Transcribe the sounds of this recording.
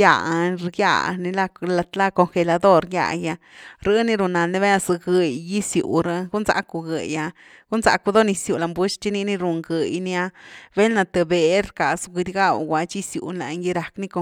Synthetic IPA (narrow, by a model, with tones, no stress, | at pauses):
ja̰˧ɾja̰˧˨ni˧la˧la˧t̪la˦ko˧ŋxe˧la˧d̪o˦ɾja̰˧˨ja˧ | ɾɨ˦ni˧ɾu˧na˨lni˧βe˦na˧sɨ˧ɡɨ˧jːi˦sjṵ˨ɾa˧ɡu˦nza̰˧˦ku˧ɡɨ̰˨ja˧ | ɡ̥u˦nza̰˨˧ku˧d̪o˦ni˧sju˨la˨mbu˦ʃt͡ʃi˦ni˧˦ni˦˧ɾu˨˧ŋɡɨ˨jni˧a˧be˦lna˧t̪e˧be˨˦ɾka˨su˧ɡi˧d̪ʲɡa˦˧wɡʷa˧t͡ʃi˦sjṵ˨nla̰˨˧ŋɡi˧ɾa˨kni˦ko˧